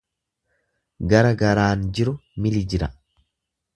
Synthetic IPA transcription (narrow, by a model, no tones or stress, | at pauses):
ɡɐɾɐɡɐɾaːnd͡ʒɪɾʊmɪlɪd͡ʒɪɾɐ